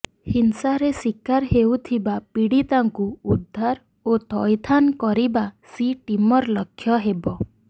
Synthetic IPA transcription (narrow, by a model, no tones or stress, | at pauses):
hinsaɾesikaɾɦewt̪ʰibapiɽit̪aŋkuud̪ʱːaɾ | ot̪ɔjt̪ʰankɔɾibasiʈimɔɾlɔkʰːjɔɦebɔ